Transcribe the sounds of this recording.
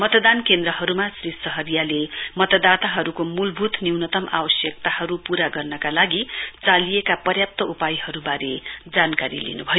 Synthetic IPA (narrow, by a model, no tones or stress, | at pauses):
mʌt̪ʌd̪ankend̪ɾʌɦʌɾumasrissʌɦʌrjalemʌt̪ʌd̪at̪aɦʌɾukomulbʱut̪niwnʌt̪ʌmʔa̰wʌsjʌk̚t̪ahʌɾupuɾaɡʌrnʌkalaɡit͡salijekapʌrjap̚t̪ʌupajhʌɾubaɾed͡zankaɾḭlḭnṵbʱʌjo